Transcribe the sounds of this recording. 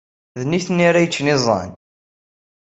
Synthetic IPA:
ðniθnːaɾajət͡ʃːnɪzˤɑ̰n

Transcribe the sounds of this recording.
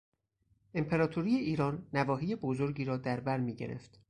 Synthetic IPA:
ʔe̞mpʰe̞ɾɒːt̪ʰoɾiːjeʔiːɾɒːnːævɒːɦiːje̞bozoɾɟiːɾɒːd̪æɾbæɾmiːɟḛɾḛft̪

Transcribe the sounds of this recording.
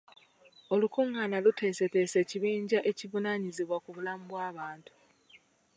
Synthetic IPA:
o̞lukuŋːaːnalutʰe̞ːse̞te̞ːse̞ciβiːɲɟaʔe̞civunaɲiziβwakuβulamubwaːβaːntu̥

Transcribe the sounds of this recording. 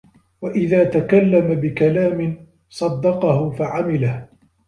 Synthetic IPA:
waʔɪðaːt̪akalːamabɪkalaːmɪn | sˤɑd̪ːɑqɑhʊfaʕamɪlah

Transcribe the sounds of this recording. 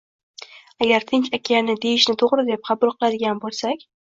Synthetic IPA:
aɡʲaɾt̪ʰɪnt͡ʃakʲʰanɪd̪e̞jɪʃnɪt̪ʰoʁɾɪd̪e̞p̚qʰɑbʊlˠqʰɨlˠad̪ɪɡʲanbolˠsakʲ

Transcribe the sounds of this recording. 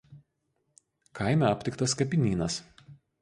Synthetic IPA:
kʰɐˑɪmʲɛˑɐpʲt̪ʲɪkt̪ɐskɐp̬ʲɪnʲiːnɐs

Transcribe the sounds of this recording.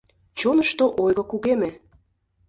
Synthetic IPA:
t͡ɕonəʃt̪oʔojɣɤkuɣeme

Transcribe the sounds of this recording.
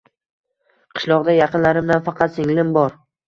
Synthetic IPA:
qʰɨ̥ʃlˠɒʁd̪ajɑqʰɨnlaɾɪmd̪anfɑqʰɑt̪sɪŋlɪmbɒɾ

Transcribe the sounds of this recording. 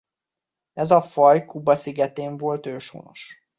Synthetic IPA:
ɛzɒfɒjkubɒsiɡɛt̪eːɱvolt̪øːʃo̰ːno̞̰ʃ

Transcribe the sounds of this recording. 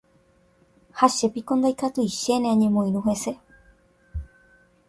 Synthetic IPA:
haʃe̞pikõ̞nd̪ajkat̪uiʃe̞neãɲẽ̞mõĩɾuɦe̞se̞

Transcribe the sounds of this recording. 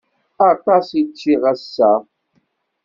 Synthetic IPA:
atasit͡ʃiɣasa

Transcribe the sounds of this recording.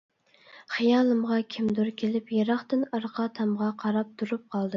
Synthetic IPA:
χijɑːlˠɨmʁɑkʲʰimd̪uɾkʲʰelɪpjeɾɑχt̪ɨnɑɾqʰɑt̪ʰɑmʁɑqʰɑɾɑp̚t̪ʰuɾup̚qʰɑlˠd̪ɨ

